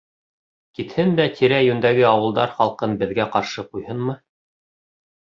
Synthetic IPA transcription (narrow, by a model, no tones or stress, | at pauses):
kit̪hɘnd̪æt̪ʰiɾæjʉnd̪æɡɘɑwɤ̆lˠd̪ɑɾχɑlˠqɤnbɘ̆ðɡæqɑɾʃɤqujhɤnmɤ